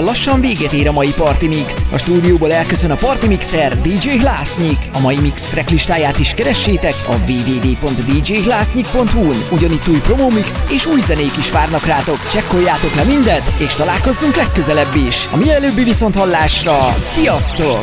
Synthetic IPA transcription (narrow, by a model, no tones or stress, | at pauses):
llɒʃːɒɱveːɡɛt̪eːɾɒmɒjipɒrt̪imiksɒ̰ʃt̪uːd̪ijoːbolɛlkø̞sø̞nɒpɒrt̪imiksɛrd̪id͡ʒeːɦlaːsɲikɒmɒjimikst̪rɛkliʃt̪aːjaːt̪iʃkɛɾɛʃːeːt̪ɛkɒ̰veːveːveːpo̞nt̪d̪id͡ʒeːɦlaːsɲik̚po̞nt̪hunuɟɒnit̪ːuːjpro̞moːmikseːʃuːjzɛneːkiʃʋaːrnɒkraːt̪o̞kt͡ʃɛkːo̞jaːt̪o̞klɛmind̪ɛt̪eːʃt̪ɒlaːlko̞zːuŋklɛkːø̞zɛlɛbːiʃɒmiɛɛløːbːiviso̞nt̪hɒlːaːʃrɒsijɒst̪o̞